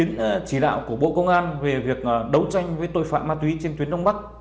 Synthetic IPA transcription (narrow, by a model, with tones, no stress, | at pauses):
i˨˦ənt͡ɕi˧˩ɗa̰ː˧˨wku˧˩əɓo̰˧˨kə˧wŋ͡mʔaː˧nve˨˩vi˨˩ək̚ːɗə˨˦wt͡ɕa˧jŋ̟vəː˨˦jt̪o̰˧˨jfa̰ː˧˨maː˧t̪wi˨˦t͡ɕe˧nt̪wi˨˦ənɗə˧wŋ͡mɓa˦˥k̚